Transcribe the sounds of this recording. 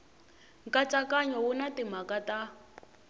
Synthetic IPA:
ŋkʼat͡sʼakʼaɲɔwunatim̤akʼata

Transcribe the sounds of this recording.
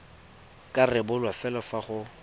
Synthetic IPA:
kʼarɪbʊlwafɛlɔfaχʊ

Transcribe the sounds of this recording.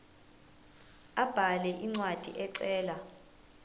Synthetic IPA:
ab̥ʱalɛʔiŋ͡ǀwad̥ʱiʔɛǀɛːla

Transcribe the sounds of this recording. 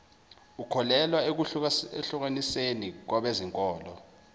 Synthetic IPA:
ukʰɔlɛlwaek̬ueɬuk̬anisenik̬waɓeziŋkʼɔːlɔ

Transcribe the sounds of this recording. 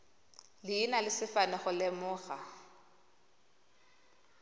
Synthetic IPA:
lɪːnalɪsɪfanɛχʊlɛmʊːɣa

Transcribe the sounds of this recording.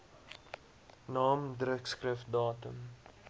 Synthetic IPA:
nɑːmdrəkskrəfdɑːtəm

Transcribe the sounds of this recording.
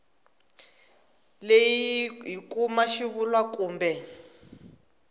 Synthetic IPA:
lejiiɦikumaʃiβulwakuːmbɛ

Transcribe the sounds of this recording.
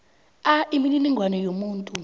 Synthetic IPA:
aʔimininiŋɡʱwanɔjomuːntʼu

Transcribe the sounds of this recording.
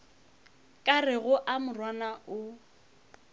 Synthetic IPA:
kʼarɪɣʊʔamʊrwanaʊ

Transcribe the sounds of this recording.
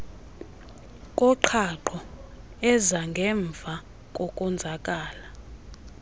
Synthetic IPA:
kʼɔǃʰaǃʰɔ | ɛzaŋɡʱɛɱb̪vʱa | kʼɔkʼɔnd͡zʱakʼaːla

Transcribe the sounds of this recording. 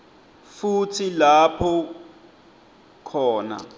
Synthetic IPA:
futʰilapʰɔ | kʰɔːna̰

